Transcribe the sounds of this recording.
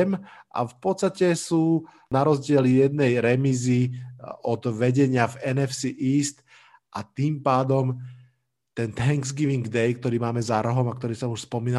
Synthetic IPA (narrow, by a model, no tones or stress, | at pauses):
mʔa̰fpɔt̪st̪acɛsuː | naɾɔzɟɪɛljɛd̪nɛjɾɛmiziɔd̪ʋɛɟɛɲɪavɛnɛfsiʔiːst̪ | ʔat̪iːmpaːd̪ɔm | t̪ɛnt̪aŋɡzɡiʋiŋɡd̪ɛjk̚t̪ɔɾiːmaːmɛzaɾɔɦɔmak̚t̪ɔɾiːsɔmuʃspɔmiːna